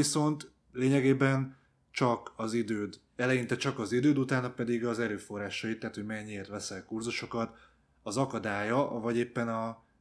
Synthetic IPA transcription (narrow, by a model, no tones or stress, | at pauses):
iso̞nt̪ | leːɲɛɡeːbɛn | t͡ʃɒkɒzid̪øːd̪ | ɛlɛjint̪ɛt͡ʃɒkɒzid̪øːd̪ut̪aːnɒpɛd̪iɡɒzɛløːfo̞rːaːʃɒjit̪ːaɦːt̪hoɟmɛɲːieːrt̪ʋɛsɛlkurzuʃo̞kɒt̪ | ɒzɒkɒd̪aːjɒvɒɟeːpːɛnɒ